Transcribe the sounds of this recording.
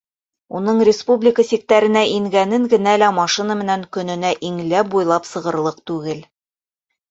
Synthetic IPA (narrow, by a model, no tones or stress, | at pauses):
unɤɴrʲɪspublʲɪkəsik̚t̪æɾɘ̆næʔiŋɡænɘŋɡɘ̆nælæmɑʃinəmɘ̆næŋkɵ̆nɵ̆næʔiŋlæp̚bujlˠɑpsɤ̆ʁɤ̆ɾlˠɤq̚t̪ʉɡɘl